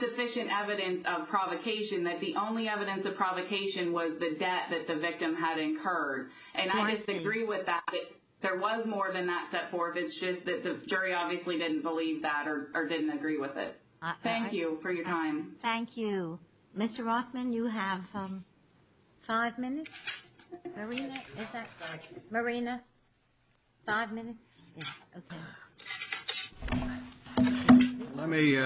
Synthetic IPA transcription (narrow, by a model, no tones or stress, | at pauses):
sɨfɪʃɨ̃ntɛvɨɾɨ̃nsʌv̥pʰɹ̥ɑvɨkʰeɪʃɨ̃nðɨt̪̚ðiʔõʊ̃nliɛvɨɾɨ̃nsʌv̥pʰɹ̥ɑvɨkʰeɪʃɨ̃nwʌzðɨdɛt̪̚ðɨt̪̚ðɨvɪk̚tɨ̃mɨɾɨ̃nkʰɜ˞d | ʔɨ̃naɪd͡ʒʌstɨɡɹiwɪðæt̪̚ðɨt̪̚ | ðə˞wʌzmɔɹðɨ̃nðətsɛtfɔɹθɨtsd̥ʒ̥ʌs̚ðɨt̪̚ðɨd͡ʒʊɹiɑbviɨslidɪdⁿn̩b̥əlivðəɾə˞ʔə˞dɪdⁿn̩tɨɡɹiwɪðɪ̰t̚ | θæ̃ŋkjʉfə˞jə˞tʰãɪ̃mθæ̃ŋkʰjʉ | mɪstə˞ɹɑθmɨ̃njɨəv̥ | faɪvmɪ̃nɨtss | mə˞ĩnɨɪzɨtmə˞ĩnɨ | faɪvmɪ̃nɨtsjæoʊkʰeɪ | lɛt̚mi